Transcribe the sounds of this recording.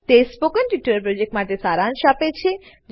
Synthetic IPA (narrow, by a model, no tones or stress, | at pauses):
t̪espokənʈiʈːuəɾpɾod͡ʑek̚ʈmaʈ̪esaɾanʃapet͡ɕʰe | d͡ʒ